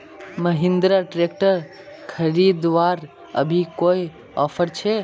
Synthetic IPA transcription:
məɦind̪ɾəʈɾek̚ʈəɾ | kʰəɾid̪ʋaɾ | ə̰bʱikoj | ɔpʰəɾt͡ʃʰe

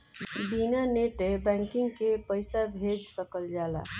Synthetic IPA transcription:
binaneʈebɛ̃ŋkiŋɡkepəjsabʱed͡ʒsəkəld͡ʒala̰

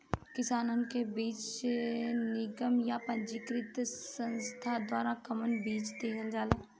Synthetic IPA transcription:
kɪsaːnənkebiːt͡ʃ | nɪɡəmjapɐ̃nd͡ʒikɾɪt̪sə̃nst̪ʰad̪waːɾakəmənbiːt͡ʃd̪eːkəld͡ʒaːlaː

